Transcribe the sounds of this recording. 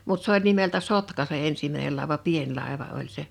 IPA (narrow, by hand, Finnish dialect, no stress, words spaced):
mut s olʲ nimeltæ sotkɑ se ensimæinel lɑˑe̝ʋɑ pien lɑˑe̝ʋɑ olʲ se